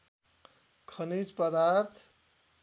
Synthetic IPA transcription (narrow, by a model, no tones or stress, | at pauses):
kʰʌnid͡zpʌd̪aɾt̪ʰ